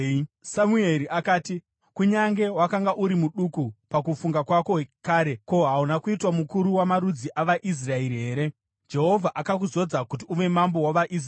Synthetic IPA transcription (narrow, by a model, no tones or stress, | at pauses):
samueɾiakaːti | kuɲaŋɡe̞wakaŋɡaʔuɾimuɗukupakufuŋɡakwako̞ɦekaːɾe̞ko̞ɦaunakuitwamukuɾuwamaɾud͡ziʔaʋaʔis̬rae̞ɾiɦe̞ːɾe̞ | d͡ʒe̞ɦo̞vʱaʔakak̬uzo̞d͡zakut̬iuʋe̞mambo̞waʋaʔis̬